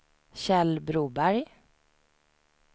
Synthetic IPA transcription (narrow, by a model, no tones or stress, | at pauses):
ɕɛlbɾuːbæɾj